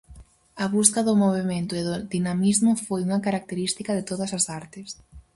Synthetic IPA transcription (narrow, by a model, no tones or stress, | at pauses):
ɐβuskɐðʊmoβ̞emẽnt̪ʊeðʊðinamizmʊfojuŋɐkaɾak̚t̪eɾist̪ikɐðɪt̪oðɐsɐsaɾt̪ɪs